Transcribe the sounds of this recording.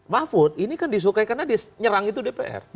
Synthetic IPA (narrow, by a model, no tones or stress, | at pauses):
mafʊt̪̚inikandis̬ukaikarnadisɲəɾaŋit̪udepḛʔɛ̰r